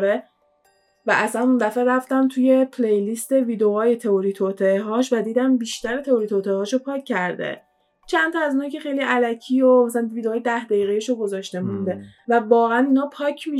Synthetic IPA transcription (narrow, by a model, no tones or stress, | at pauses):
ɾe | væʔæsænund̪æfeɾæft̪æmt̪ʰuje̞pʰlejlist̪e̞viːd̪eɒːjet̪ʰe̞oɾiːt̪ʰot̪ʰeɦɒːʃvæd̪iːd̪æmbiːʃt̪æɾet̪ʰe̞oɾiːt̪ʰot̪ʰehɒːʃopʰɒːcʰːæɾd̪ḛ | t͡ʃʰænt̪ʰɒæzunɒcʰe̞xejliʔælæcʰiːomæsælænviːd̪eːjed̪æhd̪æjiːɣeiʃoɡo̞zɒːʃt̪e̞mund̪e̞vævɒːɣææniːnɒːpʰɒːcʰmi